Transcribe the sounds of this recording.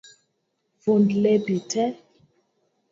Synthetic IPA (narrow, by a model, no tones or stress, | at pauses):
vondlɛbitʰɛ